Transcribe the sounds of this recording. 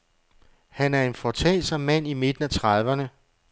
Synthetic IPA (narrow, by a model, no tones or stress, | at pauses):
hænæɐe̝nfɒt͡sʰɛ̰ːsɒmːæn̰ime̝d̥n̩æt͡sʰʁɑðˠʋɐnə